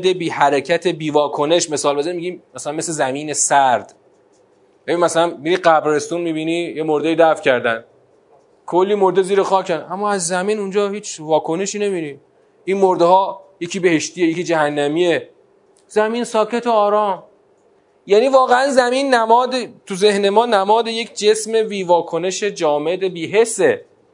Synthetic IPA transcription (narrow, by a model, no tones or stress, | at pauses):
d̪ebiːhæɾecʰæt̪ʰebiːvɒːkʰone̞ʃme̞sɒːlbezæɾimiɟiːmːæsælænme̞slezæmiːne̞sæɾd̪̥ | jænimæsælænmiːɾiɢæbɾe̞st̪unmiːbiːniːje̞moɾd̪ejiːd̪æfcʰæɾd̪æn | kʰolːiːmoɾd̪eziːɾexɒːcʰænæmːɒːæzːæmiːnund͡ʒɒːhiːt͡ʃʰvɒːkʰo̞neʃiːne̞mini | inmoɾd̪ehɒːje̞cʰiːbe̞he̞ʃt̪ije̞jecid͡ʒæɦænːæmiːe̞ | z̥æmiːnsɒːcʰe̞t̪ʰoɒːɾɒːm | jæːniːvɒːɣeænzæmiːnːæmɒːd̪et̪ʰuze̞hne̞mɒːnæmɒːd̪e̞je̞cʰd͡ʒe̞sme̞viːvɒːkʰo̞ne̞ʃe̞d͡ʒɒːme̞d̪ebiːɦe̞sːe̞